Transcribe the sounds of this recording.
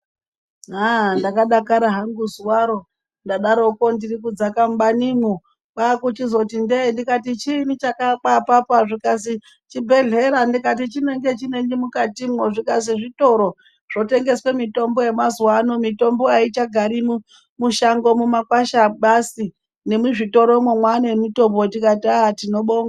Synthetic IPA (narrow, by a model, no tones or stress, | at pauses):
andakaɗakaɾaɦaŋɡuzuwaɾo̞ | ndaɗaɾo̞kondirikud͡zakamɓanimo | ɓakut͡ʃizo̞tindendikatit͡ʃinit͡ʃakak͡papapaʐikas̬i | t͡ʃibʱe̞ɮe̞ɾandikat̬it͡ʃine̞ŋɡe̞t͡ʃine̞ŋɡimukatimwoʐikas̬iʐito̞ɾo̞ | ʐ̥o̞te̞ŋɡe̞swe̞mito̞mbo̞je̞mazwanomito̞mbo̞ait͡ʃaɡʱaɾim | muʃaŋɡo̞mumakwaʃaɓasi | ne̞muʐito̞ɾomwemwanemito̞botikatatino̞ɓoŋɡa